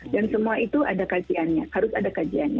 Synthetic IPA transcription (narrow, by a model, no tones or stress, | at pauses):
dansəmuait̪uʔadakad͡ʒianɲãhaɾʊsadakad͡ʒianɲa